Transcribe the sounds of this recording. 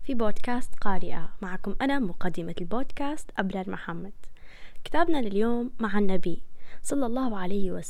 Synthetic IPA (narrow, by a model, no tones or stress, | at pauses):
fiboːd̪kaːst̪qɑːɾɪʔamaʕakʊmʔanamʊqɑd̪ːɪmalboːd̪kaːst̪ʔabɾˤɑːlmʊħamːad̪̥kɪ̥t̪aːbnalɪljoːmːaʕanːabisˤɑlːɑlˤːɑːhʕalajhwa